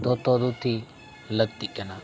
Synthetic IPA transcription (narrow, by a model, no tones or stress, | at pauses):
d̪ot̪od̪ut̪ʰi | ləɡ̚t̪ikena